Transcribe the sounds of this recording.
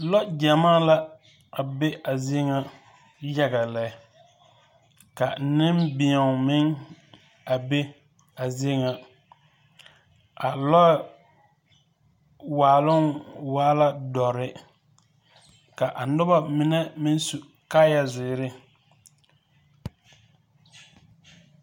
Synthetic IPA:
lɔ˦d͡ʒa˨maː˦la˦ | a˨be˦a˨zɪ˦ŋa˦ | ja˦ɡa˨lɛ˨˦ | ka˨nɪ˦mbɪ˨a˨mɪ˦ŋ | a˨be˦ | a˨zi˦ŋa˨ | a˨lɔ˦ | waː˨lʊ˦nwaː˦la˦dɔ˨ɾɪ˦ | ka˨ʔa˨nʊ˦ba˦mɪ˨nɛ˦mɪ˦n˦su˨ | kaː˦ja˨zɪ˨ɾɪ˦

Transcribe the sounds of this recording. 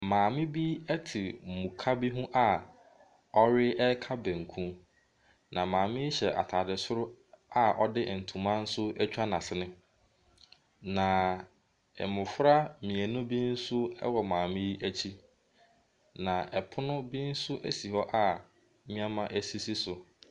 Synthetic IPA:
mãː˨mɪ̃˦bi˦ɛ˦tʰɪ˨mũ˨kʰa˦bi˦ɦũ˦ʔa˦ | ɔ˦ɾɪ˦ʔɛ˦kʰa˦bæ̃˨ŋ̩˨kʰũ˦ | nã˨mãː˨mɪ̃˦i˦ɕɛ˨ʔa̰˨tʰaː˨dɪ˨sʊ˦ɾʊ˦a˦ʔɔ˦dɪ˦˨n̩˨tʰũ˨mã˦n̩˦sʊ˦ɛ˦t͡ɕᶣa˦nã˨sɪ˨nɪ̃˦ | nã˨ | ɛ˨mʊ̃˨fɾa˦mĩ˨æ˨nʊ̃˦bi˦n̩˦sʊ˦ɛ̰˦wɔ˨mãː˨mɪ̃˦ʔæ˦t͡ɕʰi˦ | nã˨ʔɛ˨pʰʊ˦nʊ̃˦bi˦n̩˦sʊ˦ʔæ˦si˨hɔ˦ʔa˨ | mĩ˦a˦mã˦ʔæ˦si˦si˦sʊ˨

